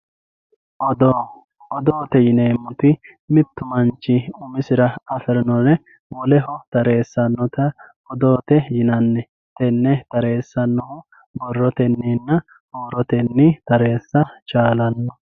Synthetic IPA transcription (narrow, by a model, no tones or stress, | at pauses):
ʔɔd̪o | ɔd̪oːt̪ɛjɪneːmːʊt̪ɪ | mɪt̪ːʊmɐnt͡ʃːɪʊmɪsɪɾɐɐfɪɾɪnɔnɛ | wɔlɛɦɔt̪ɐɾe̞ːsːɐnːɔt̪ɐ | ɔd̪oːt̪ɛjɪnɐnːɛ | t̪ɛnːɛt̪ɐɾe̞ːsːɐnːɔhʊ | bɔrːɔt̪ɛnːinːɐ | hoːɾɔt̪ɛnːit̪ɐɾe̞ːsːɐt͡ʃaːlɐnːɔ